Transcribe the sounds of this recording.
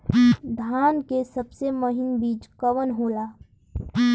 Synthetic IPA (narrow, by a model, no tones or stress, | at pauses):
d̪ʱaːnkesəbseməɦɪnbiːt͡ʃkəʋənɦoːlaː